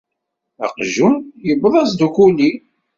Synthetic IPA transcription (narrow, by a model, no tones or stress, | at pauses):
æ̰qʒunjəbðˤɑsd̪ukuli